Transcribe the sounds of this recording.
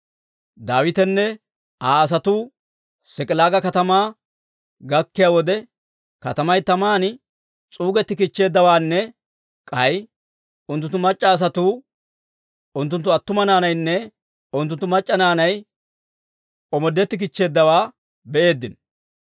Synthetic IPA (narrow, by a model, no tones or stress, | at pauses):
d̪aːwɪt̪ɛnːɛ | ʔaːɐs̬ɐt̪uː | sɪkʼɪlaːɡɐkɐt̪ɐmaː | ɡɐkːɪjaːwɔd̪ɛ | kɐt̪ɐmɐjt̪ɐmaːn | t͡sʼuːɡɛt̪ːɪkɪt͡ʃːe̞ːd̪ːɐwaːnːɛ | kʼɐj | ʊnt̪ːʊnt̪ːʊmɐt͡ʃʼːɐːs̬ɐt̪uː | ʊnt̪ːʊnt̪ːʊɐt̪ːʊmɐnaːnɐjnːɛ | ʊnt̪ːʊnt̪ːʊmɐt͡ʃʼːɐnaːnɐj | ɔmɔd̪ːɛt̪ːɪk̬ɪt͡ʃːe̞ːd̪ːɐwaː | bɛʔe̞ːd̪ːɪn